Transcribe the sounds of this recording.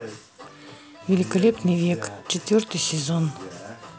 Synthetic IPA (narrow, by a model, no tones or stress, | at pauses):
vʲɪlʲɪkɐlʲepnɨjvʲekt͡ɕɪt̪vʲort̪ɨjsʲɪzon